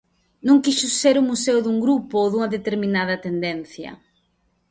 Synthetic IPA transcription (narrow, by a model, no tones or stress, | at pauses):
nũŋkisʊseɾʊmuseʊðuŋɡɾupoðuŋɐðet̪eɾminað̞ɐt̪end̪en̟θjɐ̰